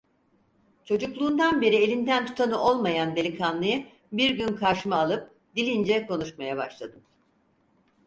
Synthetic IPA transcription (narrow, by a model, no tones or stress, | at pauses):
t͡ʃʰo̞d͡ʒuklˠuːnd̪anbe̞ɾie̞lʲind̪ænt̪ʰu̥t̪ʰanɯʔo̞lˠmajand̪e̞lʲikʰanlˠɯjɯ | biɾɟynkʰaʃmaːlˠɯp̚ | d̪ilʲind͡ʒɛko̞nuʃmajabaʃlˠad̪ɯm